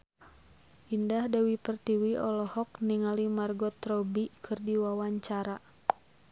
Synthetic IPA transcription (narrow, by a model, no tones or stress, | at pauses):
ʔindahdawipərt̪iwiɔlɔhɔk̚niŋalimarɡɔt̪ɾɔbikʰɨrdiwawaɲt͡ʃaɾa